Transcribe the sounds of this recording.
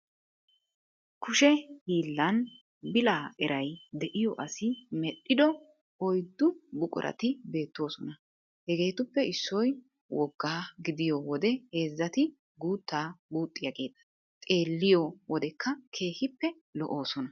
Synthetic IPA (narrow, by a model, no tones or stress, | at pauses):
kʰʊʃɛhiːlːɐn | bɪlaːɛɾʔɐjd̪ɛʔɪjɔʔɐsɪmɛɗːɪd̪ɔ | ɔjd̪ːʊbʊkʼʊ̰ɾʔɐ̰t̪ɪbe̞ːt̪ːo̞ːsɔnɐ | hɛɡe̞ːt̪ʊpːɛɪsːɔj | wɔɡːaːɡɪd̪ɪjɔwɔd̪ɛhe̞ːzːɐt̪ɪ | ɡuːt̪ːaːɡuːt̪ʼːɪjɐɡe̞ːt̪ːɐ̥ | t̪ʼe̞ːlːɪjɔwɔd̪ɛkʰːɐkʰe̞ːhɪpːɛ | lɔ̰ʔoːsɔnɐ